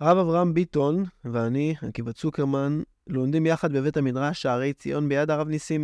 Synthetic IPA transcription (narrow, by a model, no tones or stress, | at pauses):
ʁavavʁaambito̞nveanihakivat͡sukeʁman | lomd̪imjaχad̪̚bevetamidʁaʃaʁe̞jt͡sḭʔo̞nbejad̪aʁavnisim